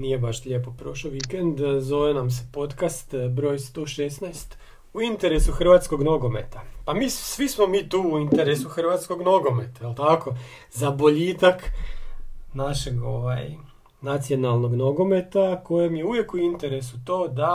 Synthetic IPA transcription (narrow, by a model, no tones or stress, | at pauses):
nije̞baʃʎe̞po̞pɾo̞ʃoʋikend̪zo̞ʋenamse̞po̞t̪kast̪bɾoːjst̪oʃesnajst̪ | uint̪e̞ɾe̞suxr̩ʋaːt̪sko̞ɡno̞ɡo̞me̞t̪apamiːsʋismo̞miːt̪uːuint̪eɾesuxrʋat̪sko̞ɡno̞ɡo̞met̪ajelˠt̪ako̞ | zabo̞ʎiːt̪ak | naʃe̞ɡo̞ʋaj | nat̪sijo̞nalˠno̞ɡno̞ɡo̞me̞t̪ako̞jemje̞uʋje̞kuint̪e̞ɾe̞sut̪o̞ːd̪a